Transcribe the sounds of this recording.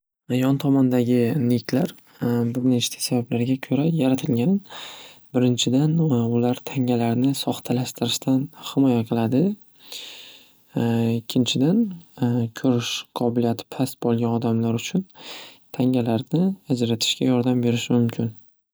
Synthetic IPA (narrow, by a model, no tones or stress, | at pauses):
jɒnt̪ʰɒmɒnd̪aɡʲɪnekʲlaɾ | bɪɾnet͡ʃt̪ʰḁsabablaɾɡʲakʲʰɵɾajaɾat̪ʰɪlɡʲanbɪɾɪnt͡ʃʰɪd̪anʊlaɾt̪ʰaŋalaɾnɪsɒχt̪ʰalaʃt̪ʰɪɾɪʃt̪ʰanhɪmɒjaqʰɨlˠad̪ɪ | ɪkʲʰːɪnt͡ʃʰɪd̪ankʲʰɵɾɪʃqʰɒbɪlijat̪ʰɪ̥pʰast̪̚bolˠɡʲanɒd̪amlaɾʊt͡ʃʰʊn | t̪ʰaŋalaɾnɪad͡ʒɾat̪ʰɪ̥ʃkʲajɒɾd̪ambe̞ɾɪʃmʊmkʲʰɪn